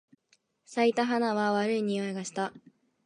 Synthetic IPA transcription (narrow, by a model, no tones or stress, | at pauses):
sait̪aɦanaβaβaɾɯiɲ̟iaeɡaɕi̥t̪a